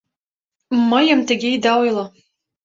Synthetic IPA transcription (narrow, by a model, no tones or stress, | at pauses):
məjə̆mt̪ə̆ɡʲeid̪ɑojlˠɤ